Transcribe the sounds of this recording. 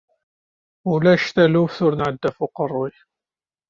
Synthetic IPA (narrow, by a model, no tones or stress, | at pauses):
ulæʃt̪ælufθʊɾnʕəd̪ːæfuqərˤːʊj